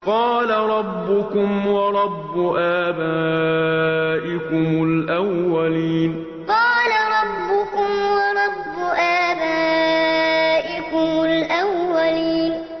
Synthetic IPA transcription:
qɑːlaɾˤɑbːʊkʊmwɑɾˤɑbːʊʔaːbaː | ʔɪkʊmʊlʔawːaliːn | qɑːlaɾˤɑbːʊkʊmwɑɾˤɑbːʊʔaːbaː | ʔɪkʊmʊlʔawːaliːn

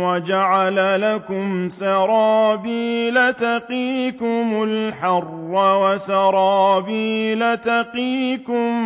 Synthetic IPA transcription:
wad͡ʒaʕalalakʊmsɑɾˤɑːbiːlat̪aqiːkʊmʊlħɑrːɑwasɑɾˤɑːbiːlat̪aqiːkʊm

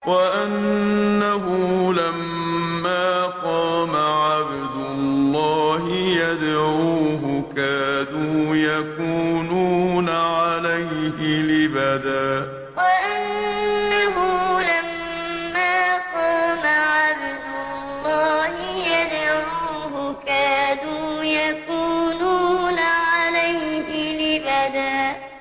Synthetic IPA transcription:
waʔannːaɦʊlamː | aːqɑːmaʕab | d̪ʊlllːɑːɦɪjad̪ʕuːɦʊkaːnuːjakuːnuːnaʕalajhɪlɪbad̪aː | waʔanːaɦulamː | aːqɑːmaʕabd̪ʊ | lːɑːhɪjad̪ʕuː | ɦʊkaːduːjakuːnuːnaʕalajhɪlɪbad̪aː

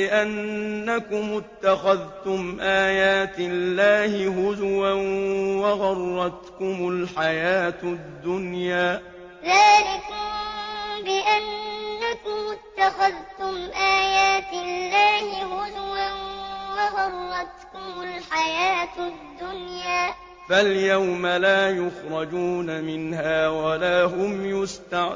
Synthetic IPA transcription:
ɪʔanːakʊmːʊt̪ːaxaðt̪ʊmʔaːjaːt̪ɪlːaːhɪɦʊd͡ʒwawɑɣɑrˤːɑt̪kʊmʊlħajaːt̪d̪ːʊnjaː | ðaːlɪkʊmbɪʔanːakʊmːʊt̪ːaxaðt̪ʊmʔaːjaːt̪ɪlːaːhɪhʊðwanwɑɣɑrˤːɑt̪kʊmʊlħajaːt̪d̪ːʊnjaː | faljawmalaːjʊxɾˤɑd͡ʒuːnamɪnɦaːwalaːɦʊmjʊst̪a

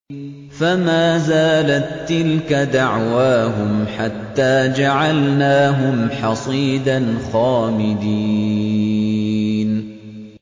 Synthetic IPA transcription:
famaːzaːlat̪ːɪlkad̪aʕwaːɦʊmħat̪ːaːd͡ʒaʕalnaːɦʊmħɑsˤiːd̪anxaːmɪd̪i | n

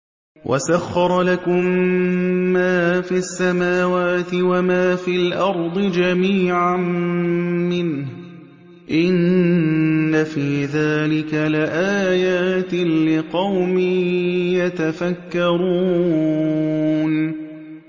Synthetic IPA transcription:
wʔa̰saxːɑɾˤlakʊmː | aːfiasːamaːwaːt̪ɪwamaːfiːlʔɑɾˤd̪ˤɨd͡ʒamiːʕam | mɪnh | ʔɪnː | afiːðaːlɪkalɪʔaːjaːt̪ɪlɪqɑwmiːjat̪afakːɑɾuː | n

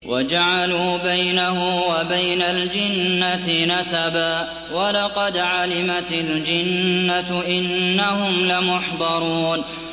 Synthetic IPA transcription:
wʔa̰d͡ʒaʕaluːbajnahʊmwabajnald͡ʒɪnːat̪ɪnasabaː | walɑqɑd̪ʕalɪmat̪ɪld͡ʒɪnːat̪ʔɪnːahʊmlɪmʊħd̪ˤɑɾˤuːn

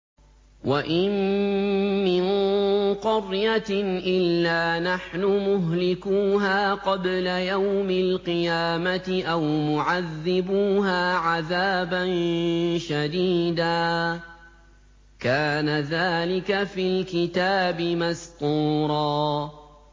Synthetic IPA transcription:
wʔaʔɪmː | ɪnqʊɾjaʔɪlːaːnaħnʊmʊɦlɪkuːɦaːqɑblajawmɪlqɨjaːmat̪ɪʔawmʊʕaðːɪbuːɦaːʕaðaːbanʃad̪iːd̪aː | kaːnaðaːlɪkafilkɪt̪aːbɪmast̪uːɾˤɑː

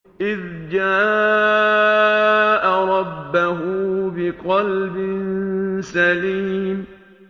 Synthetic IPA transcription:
ʔɪð | d͡ʒaː | ʔaɾˤɑbbːaɦʊbɪqɑlbɪnsaliːm

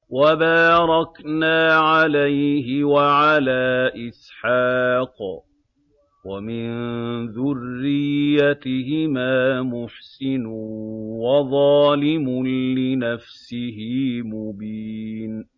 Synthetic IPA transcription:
wabaːɾˤɑknaːʕalajɦɪwaʕalaːʔɪsħaːq | wamɪnðʊrːɪjːat̪ɪɦɪmaːmʊħsɪn | wɑðˤɑːlɪmʊlɪnafsɪɦɪːmʊbiːn

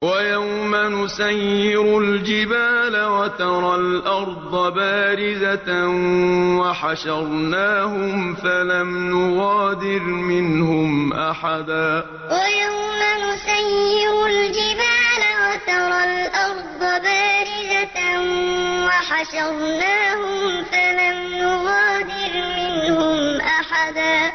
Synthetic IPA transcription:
wajawmanʊsajːɪɾʊld͡ʒɪbaːlawat̪ɑɾˤɑlʔɑɾˤd̪ˤɑbaːɾɪza | waħaʃɑɾˤnaːhʊmfalamnʊɣɑːd̪ɪɾmɪnhʊmʔaħad̪aː | wajawmanʊsajːɪɾʊld͡ʒɪbaːlaɣat̪ɑɾˤɑlʔɑɾˤd̪ˤɑbaːɾɪzanwaħaʃaɣnaːhʊmfalamnʊɣaːd̪ɪɾmɪnhʊmʔaħad̪aː

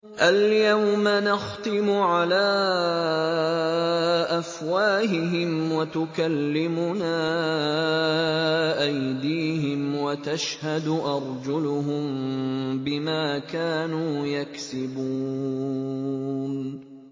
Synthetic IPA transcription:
ʔaljawmanɑxt̪ˤɨmʊʕalaː | ʔafwaːhɪɦɪmwat̪ʊkalːɪmʊnaː | ʔajd̪iːɦɪmwat̪aʃhad̪ʊʔɑɾˤd͡ʒʊlʊɦʊmbɪmaːkaːnuːjaksɪbuː | n

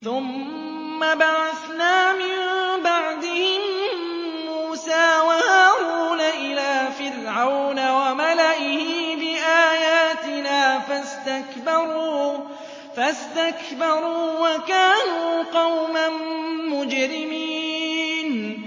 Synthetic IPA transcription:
θʊmː | abaʕaθnaːmɪmbaʕd̪ɪhɪmː | uːsaːwahaːɾuːnaʔɪlaːfɪrʕawnawamalaʔɪhɪːbɪʔaːjaːt̪ɪnaːfast̪akbɑɾuː | fast̪akbɑɾˤuːwakaːnuːqɑwmanmʊd͡ʒɾɪmiːn

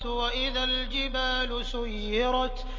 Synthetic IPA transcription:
waʔɪðald͡ʒɪbaːlʊsʊjːɪɾˤɑt̪

